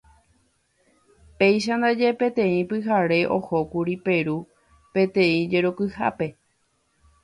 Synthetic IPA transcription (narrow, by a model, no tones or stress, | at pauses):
pe̞jʃ̬and̪ad͡ʒe̞pẽ̞t̪ẽ̞ĩpɨɦaɾe̞ʔo̞ho̞kuɾipe̞ɾu | pẽ̞t̪ẽ̞ĩd͡ʒe̞ɾokɨha̰pe̞